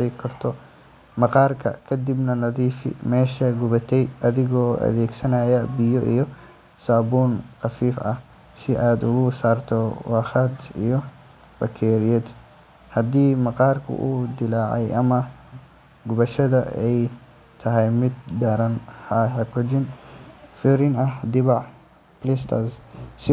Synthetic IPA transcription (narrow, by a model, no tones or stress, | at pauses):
ɛjkʰɐrt̪ʰɔ | mɑqɑːrkʰɐ̰kʰɐd̪ibnɐnɐðiːfɪ̰mɛːʃɐɡʊβɐt̪ʰɛjʔɐðɪɣɔːʔɐ̰ðɛːɡsɐnaːjɐbɪjɔʔḭjɔ | saːbuːnqɑfiːfɐ̰h | sɪʔaːd̪ʊɣʊsaːrt̪ʰɔwɑːxɑd̪ḭjɔ | bɐkʰɛːɾɪjɛd̪ | hɐd̪iːmɑqɑːrkʰʊ̰ʔuːd̪ɪlaːʕɛjʔɐ̰mɐ | ɡʊβɐʃɐðɐɛj | t̪ʰɐɦɛjmɪd̪̚ɖɐɾɐnhɐɦɛkɔd͡ʒɪnfʊɾɪnɐɦd̪ɪβɑʕ | plɛst̪ʰɐssɪ